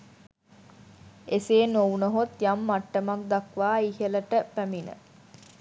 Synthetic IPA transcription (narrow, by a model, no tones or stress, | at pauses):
eseːnownəɦot̪jamːaʈːəmak̚d̪akʋaːihələʈəpæminə̰